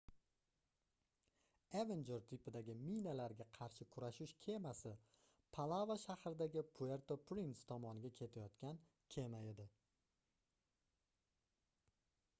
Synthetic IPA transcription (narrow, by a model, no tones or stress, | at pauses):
evend͡ʒe̞ɾt̪ʰɪpɪd̪aɡʲɪminalaɾɡʲaqʰɑɾʃɪkʰʊɾaʃʊʃkʲʰe̞masɪ | pʰalˠavaʃahɾɪd̪aɡʲɪpʰue̞ɾt̪ʰopʰɾint̪st̪ʰɒmɒnɪɡʲakʲʰe̞t̪ʰajɒt̪kʲan | kʲʰe̞majed̪ɪ